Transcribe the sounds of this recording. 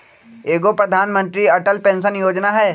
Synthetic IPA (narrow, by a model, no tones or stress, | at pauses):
eːɡopɾɐd̪ʱaːnmə̃nt̪ɾiɐʈəlpẽːnsənjoːd͡ʒnaɦɛː